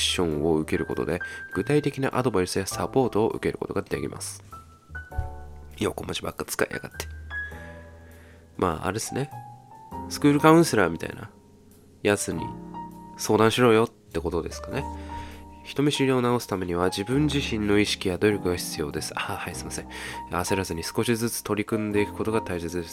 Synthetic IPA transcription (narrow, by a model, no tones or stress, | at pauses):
ɕːõ̞ɰ̃o̞ɯ̟ke̞ɾɯ̟ko̞t̪od̪e̞ɡ̥ɯ̟t̪ait̪e̞kʲina̰ʔad̪o̞baisɨjasapo̞ːt̪o̞ːʔɯ̟̰ke̞ɾɯ̟ko̞̰t̪o̞ɡad̪ekʲḭmʔa̰sɨ̥ | joːko̞mot͡ɕiba̰kːat͡sɨ̥ka̰ḭja̰ɡa̰t̪ːe̥ | mʔa̰ːa̰ɾesɨne̞ | sɨ̥kɯ̟ːɾɯ̟kaɯ̟̃ɰ̃se̞ɾaːmʲit̪a̰ḭna̰ | jazɨɲ̟ḭso̞ːd̪ãɰ̃ɕiɾo̞ːjo̞t̪ːe̞ko̞t̪o̞d̪e̞sɨ̥kane̞ | çi̥t̪o̞mʲiɕiɾʲio̞naosɨ̥t̪ame̞ɲ̟iβ̞ad͡ʑibɯ̟̃ɲd͡ʑiɕĩnːo̞iɕi̥kʲijad̪o̞ɾʲo̞kɯ̟ɡaçi̥t͡sɨjo̞ːd̪e̞sɨ̥ahaisɨmasẽ̞ase̞ɾazɨɲ̟isɨ̥ko̞ɕizɨt͡sɨ̥t̪o̞ɾʲikɯ̟̃nd̪e̞ikɯ̟ko̞t̪o̞ɡat̪ais̬e̞t͡sɨd̪es